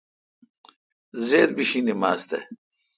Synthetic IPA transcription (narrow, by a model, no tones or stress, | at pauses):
zeːd̪biɕinimaːst̪ḛ